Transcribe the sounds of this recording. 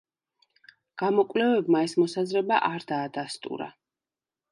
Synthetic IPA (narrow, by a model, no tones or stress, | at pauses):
ɡ̥amɔkʼvlɛvɛbmaɛsmɔsazɾɛba̰ʔaɾd̪aːd̪ast̪ʼṵɾa̰